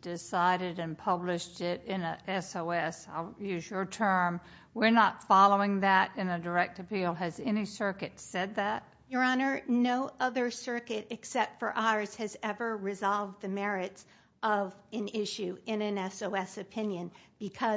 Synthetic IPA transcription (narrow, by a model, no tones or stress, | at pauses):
d̥ɪsaɪɾɨɾɨ̃npʰʌblɪʃtɪɾɪ̃nəʔɛsoʊɛsaɪlˠjʉzjə˞tʰɜ̃˞m | wɪɹnətfɑlˠoʊɪ̃ŋðɨɾɨ̃nɨdə˞ɛk̚tɨpʰilˠɨzɛnisɜ˞kɨtsɛd̪̚ðæt̚ | jə˞ɑnə˞noʊʔʌðə˞sɜ˞kɨɾɨksɛp̚tfə˞ʔaə˞z̥ɨzɛvə˞ɹɨzɑlˠv̚ðɨmɛɹɪts | ʔʌvɨ̃nɪʃʉɪ̃nɨ̃nɛsoʊɛsɨpʰɪ̃njɨ̃nb̥ɨkʰʌ